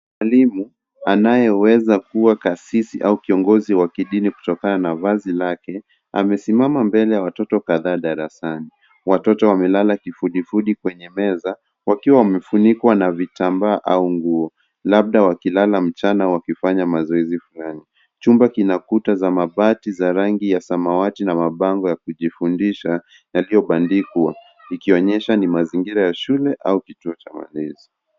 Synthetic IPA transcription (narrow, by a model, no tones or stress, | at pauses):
mwalimu | anajɛwɛzakuwakasisiʔaukiɔŋɡɔziwakiɗiniku̥tɔkananavazilakɛ | a̰mɛsimamambɛlɛjawatɔtɔkaðaːɗaɾasani | watɔtɔwamɛlalakifuɗifuɗikwɛɲɛmɛza | wakiwawamɛfunikwanavitambaːʔauŋɡuɔ | lab̚ɗawakilalam̩t͡ʃanawakifaɲamazɔɛzifulani | t͡ʃumbakinakutazamaɓatizaɾaŋɡijasamawatinamaɓaŋɡɔjakuʄifundiʃa | jalijɔɓandikwa̰ | ikiɔɲɛʃanimaziŋɡiɾajaʃulɛʔa̰ukituɔt͡ʃama̰lɛzi